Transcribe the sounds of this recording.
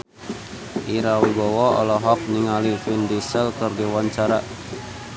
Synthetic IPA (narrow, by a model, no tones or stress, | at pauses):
ʔiɾawibɔwɔɔ̰lɔɦɔk̚niŋalifindisəlkərdiwaɲt͡ʃaɾa